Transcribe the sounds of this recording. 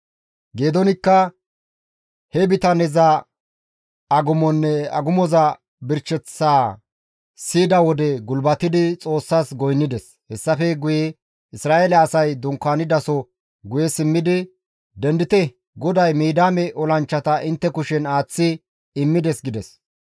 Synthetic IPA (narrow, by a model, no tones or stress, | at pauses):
ɡe̞ːd̪ɔnɪkːɐ | hɛbɪt̪ɐnɛzɐ | ɐɡʊmɔnːɛɐ̰ɡʊmɔzɐ | bɪɾt͡ʃːɛt͡sːaː | siːd̪ɐwɔd̪ɛɡʊlbɐt̪ɪd̪ɪt͡sʼo̞ːsːaːsɡɔjnːɪd̪ɛs | hɛsːɐfɛɡʊjɛ | ɪsɾaːʔelɛːsɐjd̪ʊŋkːaːnɪd̪ɐsɔ | ɡʊjɛsɪmːɪd̪ɪ | d̪ɛnd̪ɪt̪ɛ | ɡɔd̪ɐjmiːd̪aːmɛʔɔlɐnt͡ʃːɐt̪ɐʔɪnt̪ːɛkʊʃɛnaːt͡sːɪ | ɪmːɪd̪ɛsɡɪd̪ɛs